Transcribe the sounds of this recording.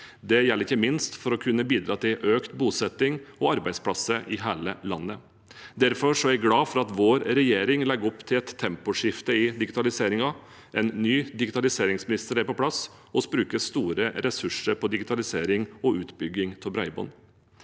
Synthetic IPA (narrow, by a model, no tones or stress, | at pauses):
d̪ɛjɛlːɾɪçːəmɪnst̪fɔɾɔkʰʉnːəbiːd̪ɾɑːt̪ʰɪlʔøːkt̪buːsɛt̪ːɪŋɔɑɾbæɪd̪spʰlɑsəʔɪɦæːləlɑnːə | d̪æɾfɔʂɔæɡlɑːfɔɾɑt̪ʋoːɾɾɛjeːɾɪŋlɛɡɔpːt̪ʰɪlɛt̪ʰːɛmpʊʂɪft̪əɪd̪ɪɡɪt̪ɑlɪseːɾɪŋɑ | ʔɛnnyːd̪ɪɡɪt̪ɑlɪseːɾɪŋsmɪnɪst̪əɾæɾpɔpʰlɑs | ɔsbɾʉːkəst̪uːɾəɾɛsʉʂəɾpʰɔd̪ɪɡɪt̪ʰɑlɪseːɾɪŋɔʉːt̪bʏɡːɪŋt̪ʰɔbɾæɪbɔ̰n